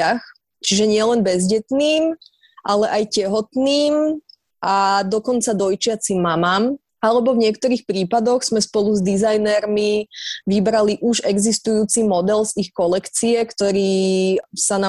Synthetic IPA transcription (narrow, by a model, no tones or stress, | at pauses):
ax | t͡ʃiʒɛɲɪɛlɛnbɛzɟɛt̪niːm | ʔalɛʔajcɛɦɔt̪niːm | ʔad̪ɔkɔnt͡sad̪ɔjt͡ʃɪat͡simːamaːm | alɛbɔvɲɪɛkt̪ɔɾiːxpɾiːpad̪ɔɣz̥mɛspɔluzd̪izajnɛɾmiʋibɾaliʔuʒɛɡzist̪ujuːt͡simɔd̪ɛlzixkɔlɛkt͡siɛkt̪ɔɾiːsana